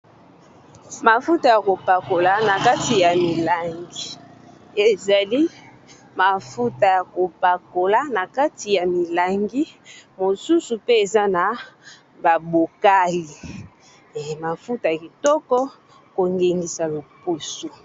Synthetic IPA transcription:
ma˨fu˦ta˨ja˨ko˨pa˨ko˨la˨na˨ka˦ti˨ja˨mi˨la˨ŋɡi˦ | e˨za˨li˦ | ma˨fu˦ta˨ja˨ko˨pa˨ko˨la˦na˨ka˦ti˨ja˨mi˨la˨ŋɡi˦mo˨su˦su˨pe˦e˨za˦na˨ | ba˨bo˨ka˦li˨ | ma˨fu˦ta˨ja˨ki˨tɔ˦kɔ˦ | ko˨ŋɡe˨ŋɡi˨sa˨lo˨pu˦so˨

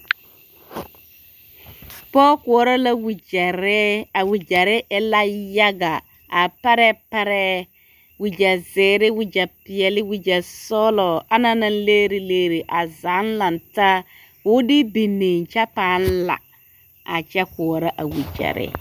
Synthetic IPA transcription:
pɔ˦kʊ˨˦ɾa˦la˦wi˨d͡ʒa˨ɾɪ˦a˨wi˨d͡ʒa˨ɾɪ˦ʔɪ˦la˦ja˦ɡa˨ | a˨pa˦ɾɛ˦pɛ˦ɾɛ˦ | wi˨d͡ʒa˨zɪː˨˦ɾɪ˦wi˨d͡ʒa˨pɪ˨ɛ˨lɪ˦wi˦d͡ʒa˨sɔː˦lɔ˨a˦na˦na˦n˦leː˦ɾi˦leː˦ɾi˨ʔa˨za˨˦nla˨nta˦ | wʊ˦dɪ˦bi˨ne˨nt͡ʃa˦paː˨˦n˦la̰˨ | a̰˨t͡ʃɛ˦kʊ˨ɾa˦ʔa̰˨wi˨d͡ʒa̰˨ɾɪ̰˦

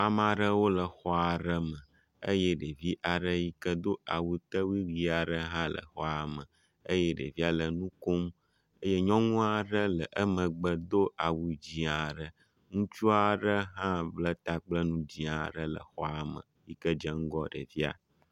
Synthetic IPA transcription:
a˨ma˨ɖə˦wo˦lə˨xɔ˦a˨ɖə˦mə̃˨ | ə̰˦jɛ˦ɖə˨vi˦ʔa˨ɖə˦ji˦kə˦d̪o˦a˨wu˦t̪ə˦wi˦wi˦a˨ɖə˦ɦã˦lə̰˨xɔ˦a˨mə̃˨ | ə˦jɛ˦ɖə̰˨vi˦a˨lə˨nũ˦ko˦m | ə˦je˦ɲɔ̃˦ŋũ˦a˨ɖə˦lə˨ʔə˦mə̃˨ɡ͡bə˦d̪o˦ʔa˨wu˨d͡ʑi˨a˨ɖə˦ | ŋũ˦t͡ʃu˦a˨ɖə˦ɦã˦blə˦t̪a˦k͡plə˦nũ˦d͡ʑi˨a˨ɖə˦lə̰˨xɔ˦a˨mə̰̃˨ji˦kə˦d͡ʒə˦ŋ̩˦ɡɔ˦ɖə̰˨vi˦a̰˨

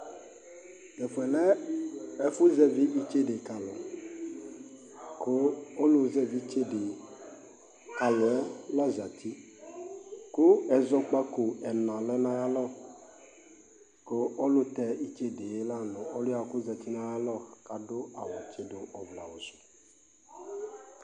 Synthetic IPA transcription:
ɡɛ˨fɛ˨lɛ˦ɛ˦fu˦zɛ˦vi˦ʔi˦t͡ʃe˦de˨ka˨lɔ˨ | ko˦o˦lʊ˦zɛ˦vi˦t͡ʃe˦de˨ | ka˨lɔ˨ɛ˦la˦za˨t̪ʰi˦ | kʊ˦ɛ˨zɔ˦k͡pa˦kʊ˨ɛ˨nã˨lɔ˦nã˦ja˦lɔ˦˨ | ko˦o˦lʊ˦t̪ɛ˨i˦t͡ʃe˦de˨je˦la˦nʊ̃˨ɔ˦lʊ˦a˨˦kʊ˦za˨t̪i˦nã˦ja˦lɔ˦ka˨dʊ˦a˨wɔ˨t͡ʃe˨dʊ˨ɔ˨vla˨wo˨sʊ̥˨

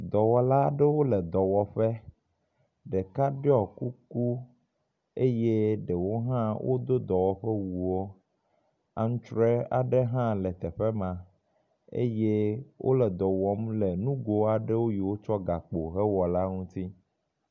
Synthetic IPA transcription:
d̪ɔ˨wɔ˨la˦ɖe˦wo˦lɛ˨d̪ɔ˨wɔ˨ɸɛ˦ | ɖe˨ka˦ɖe˦ɔ˨ku˦ku˦ | e˦je˦ɖɛ˨wo˦ɦã˦wʔo̰˦d̪o˦d̪ɔ˨wɔ˨ɸɛ˦wu˨wo˦ | a˨ŋ̩̃˦t͡ʃɾɛ˦a̰˨ɖe˦ɦã˦lɛ˨t̪ɛ˨ɸe˦mã˨ | ḛ˦je˦wʔo̰˦lɛ˨d̪ɔ˨wɔ˦mle˨nũ˦ɡo˨a˨ɖe˦wo˦ji˨wo˦t͡ʃɔ˦ɡa˨k͡po˨ɦɛ˦wɔ˨la˦ŋũ˦t̪i˦

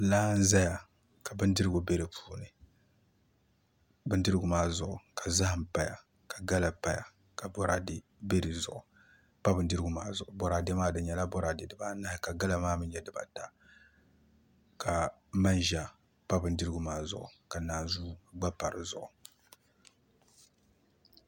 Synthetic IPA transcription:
laː˦n̩˦za˦ja˨ | ka˨bɨ˦ndɨ˦ɾɨ˦ɡu˨be˦ɾɨ˨pʰu̥ː˦nɨ˨ | bɨ˦ndɨ˦ɾɨ˦ɡʊ˨maː˦zʊ˨ʔʊ˨ka˨za˦hɨ˨m˨pa˦ja̰˨ | ka˨ɡa˦la˨pa˨ja̰˨ | ka˨bɔ˦ɾa˦dɪ˦ | be˦ɾi˨zʊ˨ʔʊ˨ | pa˦bɨ˨˦n˦dɨ˦ɾɨ˦ɡu˨maː˦zʊ˨ʊ˨bɔ˨ɾa˨de˦maː˦dɨ˨˦ɲɛ˨la˦bɔ˦ɾa˨de˨dɨ˨ba˦na˦hɪ˨ka˨ɡa˦la˨maː˦mɨ˦n˦jɛ˦˨dɨ˨ba˨ta˨ | ka˨˦ma˦nʒa˦ | pa˦bɨ˨n˦dɨ˦ɾɨ˦ɡʊ˨maː˦zʊ˨ʔʊ˨ka˨naː˨zu˦ɡ͡ba˦pa˨ɾɨ˨zʊ˨ʔʊ˨

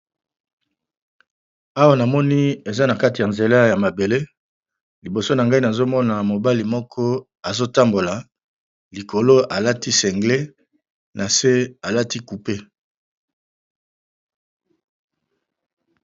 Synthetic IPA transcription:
a˦wa˦na˨mɔ˦ni˦e˨za˦na˨ka˦ti˨a˨nze˨la˦ja˨ma˨be˨le˦ | li˨bo˨so˦na˨ŋɡa˦i˦na˨zo˦mɔ˦na˨mo˨ba˦li˨mɔ˦kʰɔ˦ | a˨zo˦ta˦mbo˨la˨ | li˨kʰo˨lo˦a˨la˦ti˦sɛ˨ŋɡle˦ | nʔa˨se˦a˨la˦ti˦ku˨pe˦

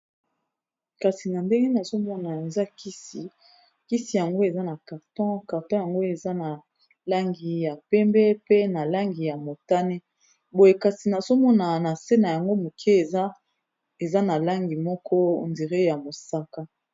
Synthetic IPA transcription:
ka˨si˨na˨nde˦ŋɡe˦na˨zo˦mɔ˦na˨e˨za˦ki˦si˨ | ki˦si˨ja˨ŋɡo˦e˨za˦na˨ka˨ʁtɔ̃˦ka˨ʁtɔ̃˦ja˨ŋɡo˦e˨za˦na˨ | la˦ŋɡi˨ja˨pɛ˦mbɛ˦pe˦na˨la˦ŋɡi˨ja˨mo˨ta˦ne˦ | bo˨je˨ka˨si˨na˨zo˦mɔ˦na˨na˨se˦na˨ja˨ŋɡo˦mo˨kʰe˦˨za˦ | e˨za˦na˨la˦ŋɡi˨mɔ˦kɔ˦˨ndi˨ʁe˦ja˨mo˨sa˦ka˦

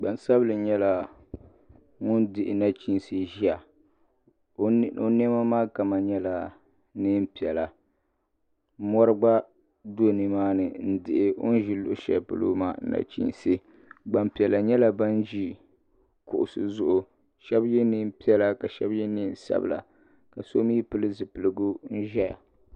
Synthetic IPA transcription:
ɡ͡ba˨n˨sa˦blɨ˨ɲɛ˦la˨ | ŋʊ˦ndɪ˨ʔɪ˨na˦t͡ʃi˦n˨si˦ʒi˦a˨˦ | o˦n˦ɛ˦ma˦maː˦ka˨ma˨ɲɛ˦la˨ | nɨ˦m˦pi˨ɛ˨la˨˦ | mɔ˦ɾɨ˦ɡ͡ba˦ | do˦˨nɨ˨maː˦nɨ˨n̩˦dɪ˨ʔɪ˦ʔo̰˦n̩˦ʒi˦lʊ˦ʔʊ˦ʃɛ̰˨lpɨ˨lo̰˦ma̰ː˦˨n̩˦na̰˨t͡ʃḭ˦˨n˨sɨ˦ | ɡ͡ba˨m˦pi˨ɛ˨la˨ɲɛ˦la˨ba˦n˦ʒi˦ | kʊ˨ʔʊ˨sɨ̰˦zʊ˨ʔʊ˨ | ʃɛ˦bjɛ˦nɨ˦m̩˦pi˦ɛ˦la˦ka˨ʃɛ˦bjɛ˦ni˦n̩˨sa̰˦bɨ̰˨la̰˨ | ka˨so˦miː˦pɨ˦lɨ˦zɨ˨pɨ˨lɨ˨ɡu˦n̩˦ʒɛ˦ja̰˨

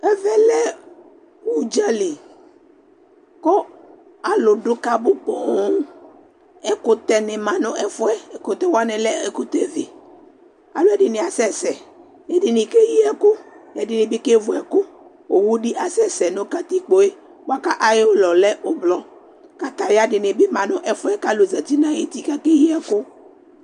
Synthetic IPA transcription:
ɛ˦vɛ˦lɛ˦ | wu˦˨d͡ʒa˦li˨ | kɔ˦ | a˨lʊ˨ɖʊ˦ka˦bo˦pɔ˨˦˨ | ɛ˦ko˦t̪ɛ˨ne˨mã˨nõ˦ʔɛ˨fo˦ɛ˦˨ko˨t̪ɛ˦wo˦a˦nẽ˨lɛ˦e˨ku˦t̪e˦vi˨ | a̰˨lo˦ɛ˦ɖi˨nĩ˨a˨sɛ˦sɛ˨ | e˦dɪ˨nɪ˨ke˦ji˦ɛ˦kʊ˦jɛ˨dɪ˨nẽ˨bi˦ke˦vu˨ɛ˨ko˦ | o˨wu˦ɖi˦ʔa˨sɛ˦sɛ˨nõ˦ka˦t̪i˦k͡po˦e˦ | wo˦a˦ka˦ʔa˨je˦o˦lɔ˨lɛ˦o˦blɔ˦ | ka˦t̪a˨we˦a˦ɖɪ˨nẽ˨be˦mã˨nʊ̃˦ʔɛ˦fʊ˦ɛ˦ka˦lo˨zɛ˨t̪i˦nã˦je˦t̪i˦ka˦ke˦ji˦ɛ˦ko˦

